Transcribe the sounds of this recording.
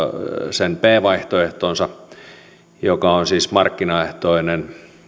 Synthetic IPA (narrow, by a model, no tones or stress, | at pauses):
senpeːʋɑiht̪oeht̪oːnsɑ | jokɑonsiːsmɑrkːinɑeht̪oinen